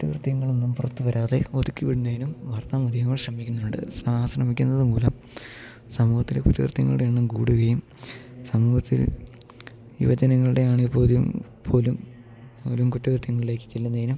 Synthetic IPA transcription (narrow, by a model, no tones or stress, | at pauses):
kutːɐkrɨt̪ːjɐŋːɐɭonːumpurɐt̪ːuʋɐɾʔaːðeo̞t̪ukʲːiʋiɽunːɐjinumʋɐːrt̪amɐd̪ʱiɐŋːɐɭɕrɐmikʲːunːɐɐɳɖɨ̰srɐmːsrɐmikʲːunːɐðɨmuːlɐm | sɐmuːhɐt̪ːilekutːɐkrɨt̪jɐ̰ŋːɐɭɽeɳɨmkuːɽuɣɐjum | sɐmuːhɐt̪ːḭl | ḭʋɐd͡ʑɐnɐŋːɐɭuɽe̞aːɳipːo̞ːðjɐm | pʰo̞ːlum | olumkutːɐkrt̪jɐŋːɐɭile̞ːkːɨ̥t͡ɕelːunːɐðinum